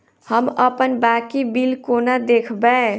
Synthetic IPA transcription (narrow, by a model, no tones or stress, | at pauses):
həməpənbakibilkonad̪ekʰbɛ